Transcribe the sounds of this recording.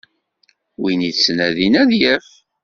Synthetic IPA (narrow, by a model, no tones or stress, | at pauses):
winiðsnæðinæðjæf